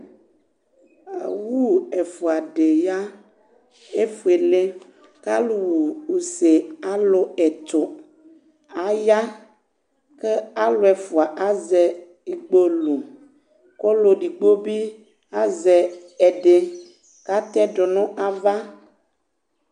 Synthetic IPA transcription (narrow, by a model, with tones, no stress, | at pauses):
a˨wu˦ɛ˨fu˨a˨ɖe˨ja˦ | e˦fu˨e˨le˦ | ka˦lu˨wu˨u˨se˨a˦lo˨ɛ˨t̪o˨ | a˨ja˦ | ke˦a˦lo˨ɛ˨fu˨a˨ʔa˦zɛ˨ | i˨ɡ͡bo˦lo˨ | ko˦lo˨ɖi˨ɡ͡bo˦bi˦ | a˦zɛ˨ɛ˨ɖe˨ | ka˦t̪ɛ˦ɖo˨nɔ̃˦ʔa˨va˦